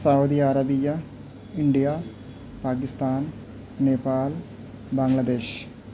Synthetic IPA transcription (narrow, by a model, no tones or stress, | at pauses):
sɐwd̪iaɾɐbijɐ | iɳɖijɐ | paːkist̪aːn | neːpaːl | bɐŋlɐd̪e̞ːɕ